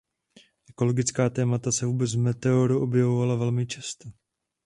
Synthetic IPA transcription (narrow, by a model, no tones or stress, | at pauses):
ʔɛko̞lo̞ɡɪt͡skaːt̪ɛːmat̪asɛvuːbɛt͡svmɛt̪ɛoɾuʔo̞bjɛvovalavɛlmɪt͡ʃast̪ɛ